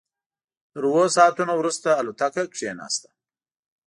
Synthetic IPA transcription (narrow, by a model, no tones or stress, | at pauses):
t̪əɾwosɑːt̪unowɾust̪aːlut̪akakʂenɑ̰ːst̪ḁ